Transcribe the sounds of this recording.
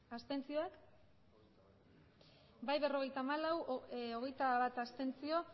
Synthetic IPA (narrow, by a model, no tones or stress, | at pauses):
ast̪e̞nt͡sio̞ak | bajβe̞ro̞ɣe̞jt̪aːmalawoɣ̞e̞jt̪aβat̪ast̪e̞nt͡sio̞